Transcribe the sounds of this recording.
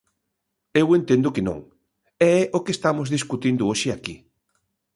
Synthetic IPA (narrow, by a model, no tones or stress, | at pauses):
ewent̪ẽnd̪ʊkɪnõ̰ŋ | ɛɛʔokest̪amʊzðiskut̪ind̪ʊoʃɪaki